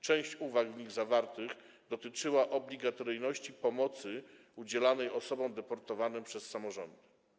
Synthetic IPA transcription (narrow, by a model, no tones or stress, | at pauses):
t͡ʂɛ̃w̃ɕt͡ɕuvaɡvɲiɣzavaɾt̪ɘɣ | d̪ɔt̪ɘt͡ʂɘwaʔɔblʲiɡat̪ɔɾɘjnɔɕt͡ɕipɔmɔt̪sɘ | ud͡ʑɛlanɛjɔsɔbɔ̃w̃d̪ɛpɔɾt̪ɔvanɛmpʂɛsːamɔʐɔ̰nd̪ɘ